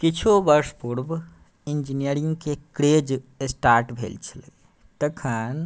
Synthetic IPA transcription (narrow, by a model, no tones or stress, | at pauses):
kit͡ʃʰobəɾspuɾb | ind͡ʒinijəɾiŋɡkekɾed͡ʒsʈaɾʈbʱḛlt͡ʃʰələ | t̪əkʰən